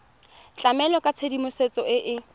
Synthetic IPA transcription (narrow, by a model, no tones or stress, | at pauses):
t͡ɬʼamɛlɔkʼat͡sʰedimʊset͡sʼɔɪʔɪ